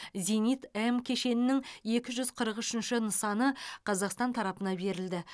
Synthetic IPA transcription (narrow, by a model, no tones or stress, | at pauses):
zenijt̪emkʲʰe̞ʃe̞nɪnɪŋje̞kʲɪʒʏzqʰəɾəqʏʃɪnʃɪnəsɑnəqʰɑzɑqst̪ɑnt̪ʰɑɾɑpənɑbe̞ɾɪld̪ɪ